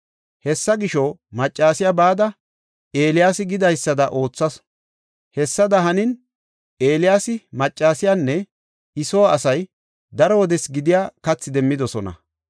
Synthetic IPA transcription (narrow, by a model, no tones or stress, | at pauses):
hɛsːɐɡɪʃɔmɐt͡ʃʼːaːsɪjabaːd̪ɐ | e̞ːlɪjaːsɪɡɪd̪ɐjsːɐd̪ɐʔo̞ːt͡sːɐs | hɛsːɐd̪ɐɦɐnɪn | e̞ːlɪjaːsɪmɐt͡ʃʼːaːsɪjanːɛ | ɪsoːwːsɐj | d̪ɐɾɔwɔd̪ɛsɡɪd̪ɪjaːkɐt͡sːɪd̪ɛmːɪd̪ɔsɔnɐ̰